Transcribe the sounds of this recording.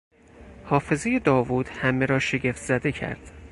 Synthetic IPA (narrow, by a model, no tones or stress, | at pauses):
hɒːfe̞zeje̞d̪ɒːvuːd̪̥hæmeɾɒːʃe̞ɟeft̪z̥æd̪e̞cʰæ̰ɾd̪̥